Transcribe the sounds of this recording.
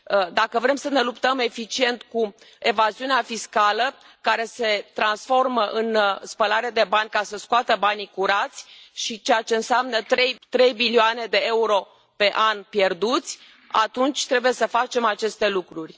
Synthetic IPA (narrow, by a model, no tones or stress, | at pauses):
d̪akəvɾe̞msəne̞lupt̪əme̞fit͡ʃie̞nt̪ku | e̞vaziuneafiskalə | kaɾe̞se̞t̪ɾansfo̞rməʔɨnspəlaɾead̪e̞banʲkasəskoat̪əbanikuɾat̪sʲʃit͡ʃejat͡ʃe̞ɨnseamnət̪ɾejt̪ɾe̞jbilioane̞d̪e̞euɾo̞ | pe̞ʔanpje̞rd̪ut̪sʲ | a̰t̪unt͡ʃʲt̪ɾe̞buje̞səfat͡ʃe̞mat͡ʃe̞st̪e̞lukɾurʲ